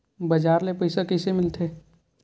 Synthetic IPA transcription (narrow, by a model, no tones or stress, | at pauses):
bɐd͡ʒaːɾlepɐɪsakəɪsemɪlt̪ʰeː